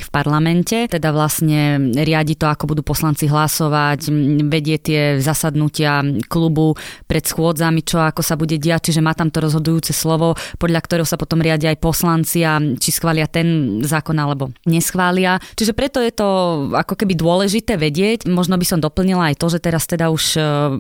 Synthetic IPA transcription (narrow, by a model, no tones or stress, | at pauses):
fpaɾlamɛncɛt̪ɛd̪aʋlasɲɛɾɪaɟit̪ɔakɔbud̪uːpɔslant͡siɦlasɔʋacʋɛɟɪɛt̪ɪɛzasad̪nucɪaklubupɾɛt̪sxʊɔd͡zamit͡ʃɔakɔsabuɟɛɟɛac̚t͡ʃiʒɛmaːt̪amt̪ɔɾɔzɦɔd̪ujuːt͡sɛslɔʋɔpɔd̪ʎakt̪ɔɾɛɦɔsapɔt̪ɔmɾɪaɟiajpɔslant͡siat͡ʃisxʋaːlɪat̪ɛnzaːkɔnalɛbɔɲɛsxʋaːlɪat͡ʃiʒɛpɾɛt̪ɔjɛt̪ɔakɔkɛbid̪ʊɔlɛʒit̪ɛːʋɛɟɪɛcmɔʒnɔbisɔmd̪ɔpl̩ɲilaajt̪ɔʒɛt̪ɛɾast̪ɛd̪auʃ